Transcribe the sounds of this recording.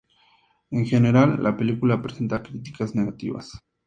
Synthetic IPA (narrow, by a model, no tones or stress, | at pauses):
eŋxe̞ne̞ɾalːa̰pe̞likulapɾese̞nt̪akɾit̪i̥kazne̞ɣat̪ḭβa̰s